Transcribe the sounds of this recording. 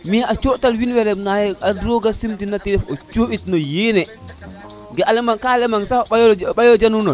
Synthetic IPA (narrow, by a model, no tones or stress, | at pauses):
miat͡ʃɔtalwinwɛɾɛnajɛadɔɡasimtinatiɾɛfɔt͡ʃoɓitnɔjeːnɛ | ɡɛalɛmankalɛmansajɓajɔd͡ʒanunɔn